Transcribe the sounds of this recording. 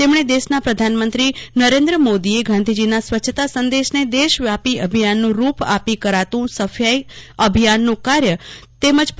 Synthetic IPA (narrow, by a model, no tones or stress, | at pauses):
t̪emɳ̃ed̪eʃnapɾəd̪ʱanmə̃nt̪ɾinəɾẽnd̪ɾəmod̪ieɡʱãnd̪ʱid͡ʒinasʋətːt͡ʃʰət̪asənd̪eʃned̪eʃʋjapiʔəbʱijanːũɾupa̰pikəɾat̪ũsəfʰjajəbʱijanːũkaɾjət̪eməd͡ʒp